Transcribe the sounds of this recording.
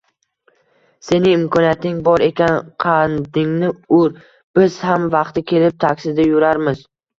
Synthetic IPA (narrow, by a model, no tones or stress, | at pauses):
se̞nɪŋɪmkʰɒnijat̪nɪŋbɒɾe̞kʲanqʰɑnd̪ɪŋnɪʊɾ | b̥ɪz̥hamvɑqt̪ɪkʲʰe̞lɪp̚t̪ʰakʲsɪd̪ajʊɾaɾmɪz̥